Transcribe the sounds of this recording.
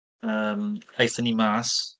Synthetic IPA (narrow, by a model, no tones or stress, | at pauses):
əmejθənimas